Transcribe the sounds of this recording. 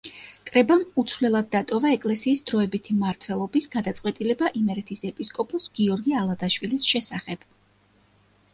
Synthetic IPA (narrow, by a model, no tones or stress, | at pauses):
kʼɾɛbamut̪sʰvlɛlˠad̪̚ːat̪ʼɔvaɛkʼlɛsiːsd̪ɾɔɛbit̪ʰimaɾt̪ʰwɛlˠɔbisɡad̪at̪sʼwɛt̪ʼilɛbaʔimɛɾɛt̪ʰisɛpʼiskʼɔpʼɔsɡ̥iɔɾɡialˠad̪aʃwilisʃɛsaχɛb̥